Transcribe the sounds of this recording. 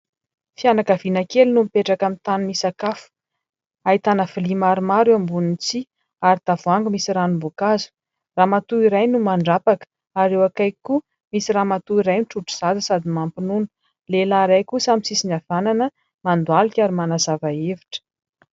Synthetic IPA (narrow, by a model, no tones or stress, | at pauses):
fianakavinakelunumipeʈ͡ʂakamit̪anumisakafu̥ | ait̪anəfilimaɾumaɾeambunint͡si | aɾit̪avuaŋɡumisiɾanumbokazu̥ | ramat̪uiɾajnumaɳɖ͡ʐapakə̥ | aɾewakajku | misiɾaːmat̪uiɾajnʈ͡ʂuʈ͡ʂu̥z̥ad̪əsad̪imampinunu̥ | lelaɾajkusamisisinav̥ananə | mand̪ualukʲaɾimanazavaevi̥ʈ͡ʂə̥